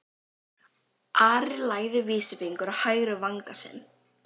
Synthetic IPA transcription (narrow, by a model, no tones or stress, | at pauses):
ʔaːɾɪlaːjðɪviːsɪfiŋkʏɾahaːjɾʏvaŋkasɪ̰n